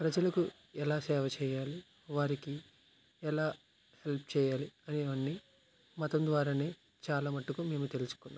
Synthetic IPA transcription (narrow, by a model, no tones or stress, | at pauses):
pɾɐd͡ʒɐlɐku | ɛlaːsɛːʋɐt͡ʃɛːjaːli | ʋaːɾiki | ɛlaː | he̞lp̚ʰt͡ʃɛːjaːliɐniʋɐnːi | mɐt̪ɐmd̪ʋaːɾaːne̞ː | t͡ʃaːlaːmɐʈːukume̞ːmut̪e̞lusu̥kunːaːm